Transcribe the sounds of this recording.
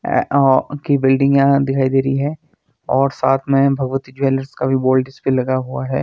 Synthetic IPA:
kibɪlɖɪ̃ŋɡjad̪ɪkʰaːid̪eːɾəiɦɛː | ɔːɾsaːt̪ʰmẽbʱɐɡʋət̪id͡ʒʋeːləɾskabʱiboːlɖɪspilɐɡaɦuaɦɛː

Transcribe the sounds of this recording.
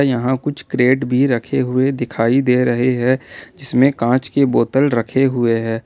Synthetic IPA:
jɐɦãkʊt͡ʃʰkɾeːʈbʱiɾɐkʰeɦʊed̪ɪkʰaːid̪eːɾɐɦeɦɛd͡ʒɪsmẽkãːt͡ʃkeboːt̪əlɾɐkʰeɦʊeɦɛː

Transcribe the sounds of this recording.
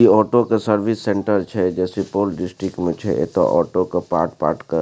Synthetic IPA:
iɔːʈokesəɾʋɪsːɛ̃ɳʈəɾt͡ʃʰɛd͡ʒɛːsepoːlɖɪsʈɾɪkmẽt͡ʃʰɛ̰ḛt̪o̰ʔɔ̰ːʈokapa̰ːɾʈpa̰ːɾʈkə

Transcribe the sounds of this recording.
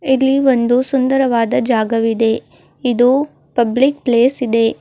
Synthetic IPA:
ilːiʋo̞nd̪usund̪ɐɾɐʋaːd̪ɐd͡ʒaːɡɐʋid̪e̞ | id̪u | pɐblik̚pleːsid̪e̞

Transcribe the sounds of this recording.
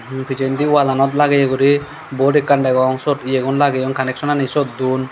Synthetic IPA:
pʰid͡ʒend̪iwalanɔt̪̬̚laɡɛjeɡuɾi | bɔɾikːaɳɖɛɡɔŋsɔtijeɡɔnlaɡɛjɔŋkanɛksɔnanisɔt̪̚d̪un

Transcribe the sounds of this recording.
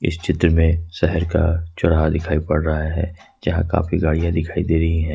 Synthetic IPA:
ɪ̰st͡ʃɪt̪ɾəmẽsɛɦɛɾka̰t͡ʃʊɽad̪ɪkʰaːipɐɽɾɐɦaɦɛ̰ː | d͡ʒɐɦãka̰ːfiɡaːɽijãd̪ɪkʰaːid̪eːɾɐɦiɦɛ̃ː

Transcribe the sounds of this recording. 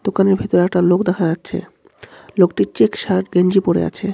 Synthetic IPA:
d̪okaneɾbʱet̪oɾeɛk̚ʈalokd̪ɛkʰad͡ʑatːɕʰḛ | lokʈit͡ɕekʃaɾɡeɲd͡ʑipoɾḛa̰t͡ɕʰe

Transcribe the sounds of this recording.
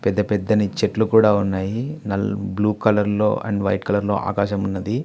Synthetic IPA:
pɛd̪ːɐpɛd̪ːɐnit͡ʃeʈlukuːɽaːunːaːjinɐlbluːkɐlɐɾlo̞̰ːʔɐ̰ɳɖʋɐ̰jʈkɐlɐɾlo̞̰ːʔa̰ːkaːʃɐmunːɐd̪i

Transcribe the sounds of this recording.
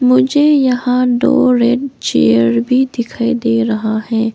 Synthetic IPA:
mʊd͡ʒʱejɐɦãɖo̰ːɾeːɖt͡ʃeːəɾbʱid̪ɪkʰaed̪eːɾɐɦahɛ̃ː

